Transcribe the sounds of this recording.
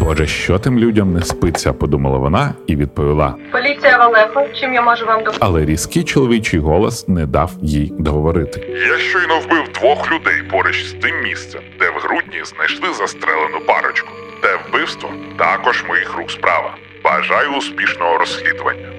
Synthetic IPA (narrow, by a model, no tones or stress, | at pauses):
b̥ɔʒɛʃt͡ʃɔt̪ɪmlʲudʲɐmnɛspɪt͡sʲːɐpɔd̪umɐlˠɐ̰ʋɔnɑiʋʲid̪̚pɔʋʲilˠɑ̰pɔlʲit͡sʲijɐʋɐlˠɛxɔt͡ʃɪmjamɔʒʊʋamd̪ɔɐlˠɛɾʲiskɪjt͡ʃɔlˠɔʋʲit͡ʃɪjɦɔlˠɔsnɛd̪ɑwjijd̪ɔɦɔʋɔɾɪt̪ɪ̥jaʃt͡ʃɔjnɔwbɪwd̪ʋɔxlʲʊd̪ɛjpɔɾeʃsʲt̪ɪmːʲist̪sɛmd̪ɛwɦɾudʲnʲiznɐjʃlˠɪzɐst̪ɾɛlˠenʊpɑ̰ɾɔt͡ʃkʊ̥ | t̪ɛwbɪwst̪ʋɔt̪ɑkɔʒmɔjixrukspɾɑ̰ʋɐ̰ | bɐʒɑjʊːspʲiʃnɔɦɔɾɔsxlʲid̪ʊʋɐ̰nʲːɐ